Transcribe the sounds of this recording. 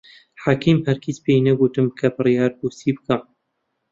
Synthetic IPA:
ħaːkʰiːmhæɾkʰit͡spejnɐɡut̪ɨmkʰɐbɨrjɑːɾbuːsiːbɨka

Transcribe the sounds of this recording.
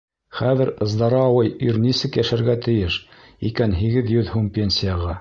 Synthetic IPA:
χæðɘɾɤ̆zd̪ɑɾɑːwɤjyɾnisɘkjæʃæɾɡæt̪ɘ̆jɘʃ | ikænɦiɡɘðjɵðhumpʲenʲsʲijɑʁɑ

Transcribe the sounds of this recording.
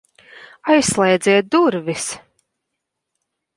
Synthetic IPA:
ajsːlˠɛjd̪zʲɛɛt̪̚d̪uɾvis

